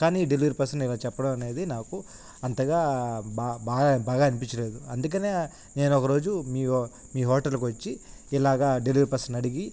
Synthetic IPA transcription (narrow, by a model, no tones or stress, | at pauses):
kaːniːɖeliʋɐɾpɐɾsɐnilaːt͡ʃɛpːɐɽɐmɐne̞ːd̪inaːku | ɐnt̪ɐɡaːbabaːɡabaːɡaːɐnip̬iɲt͡ʃɐle̞ːd̪uɐnd̪uk̬ɐne̞ː | ne̞ːnɔkɐɾo̞ːd͡ʒumiː | miːɦɔːʈɐlk̬uʋɐt͡ʃːi | ilaːɡaːɖeliʋɐɾpɐɾsɐnɐɽiɡi